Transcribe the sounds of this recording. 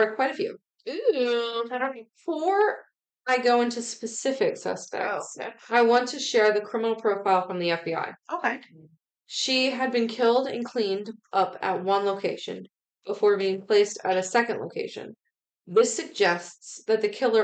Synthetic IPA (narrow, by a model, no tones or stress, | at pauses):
ɨkʰw̥aɪɾɨfjʉ̰ | ʉ | aɪɾõnfə˞ | aɪɡoʊɪ̃ntʉspɨsɪfɪksʌ̰stɛ̰ksaɪwɑ̃ntʰɨʃɛɹðɨkʰɹ̥ɪ̃mənl̩ˠpʰɹ̥oʊfaɪlˠfɹʌ̃mðiɛfb̥ia̰ɪʔoʊkʰeɪ | ʃiɨd̚bɨ̃nkʰɪlˠdɨ̰̃nkʰl̥ĩndʔʌpɨ̰t̚wʌ̃nloʊkʰeɪʃɨ̰̃n | b̥əfɔɹbiɪ̃ŋpʰl̥eɪstɨɾɨsɛkɨ̃ndlo̰ʊkʰḛɪʃɨ̰̃n | ðɪsɨɡ̚d͡ʒɛstsðɨt̪̚ðɨkʰɪlˠə˞